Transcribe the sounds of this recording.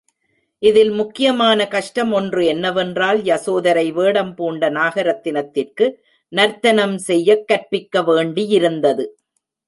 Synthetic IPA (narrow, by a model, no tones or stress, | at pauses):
ʔɪðɪlmʊkːɪjɐmaːnɐkɐʂʈɐmɔndrɯɛnːɐʋɛndraːljɐsoːðɐɾɐɪʋeːɽɐmpuːɳɖɐnaːɣɐɾɐt̪ːɪnɐt̪ːɪrkɯ | nɐɾt̪ɐnɐmsɛjːɐkːɐɾpɪkːɐʋeːɳɖijɪɾɯnd̪ɐðɯ